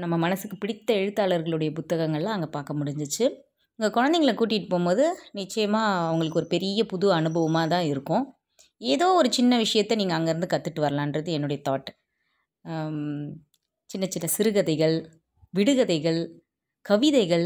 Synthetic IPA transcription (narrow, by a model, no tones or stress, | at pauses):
nɐmːɐmɐnɐsɯkːɯpɪɽɪt̪ːɐɛɻɯt̪ːaːɭɐɾɣɐɭɯɽɐjɐpʊt̪ːɐɣɐŋɡɐɭlãːɐŋɡɐpaːɾkɐmʊɽɪɲd͡ʒɯt͡ʃːɯ | ʊŋɡɐkɔɻɐnd̪ɐɪŋɡɐɭɐkuːʈ̬ːɪʈːɯpoːmboːðɯnɪt͡ʃːɐjɐmaːɐʋɐŋɡɐɭɯkːɔɾɯpɛɾɪjɐpʊðɯɐnɯbɐʋɐmaːt̪ãːɪɾɯkːʊ̃ː | eːðoːɔɾɯt͡ʃɪnːɐʋɪʂɐjɐt̪ːɛniːŋɡɐːŋɡɐɪɾɯnd̪ɯkɐt̪ːɯʈːɯʋɐɾɐlãːɪndrɐðɯɛnːɯɽɐjɐt̪oːʈː | t͡ʃɪnːɐt͡ʃɪnːɐsɪɾɯɣɐðɐɪɣɐɭ | ʋɪɽɯɣɐðɐɪɣɐɭ | kɐʋɪðɐɪɣɐɭ